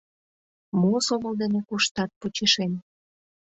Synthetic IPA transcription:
mosoməld̪enekuʃt̪ɑt̪̚put͡ɕeʃen

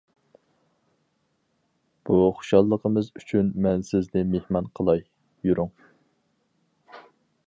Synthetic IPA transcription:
b̥uχʊ̥ʃɑlˠːəqʰəmɨzyt͡ʃʰynmɛnsɪznɪmehmɑnqʰəlˠɑj | juɾʊŋ

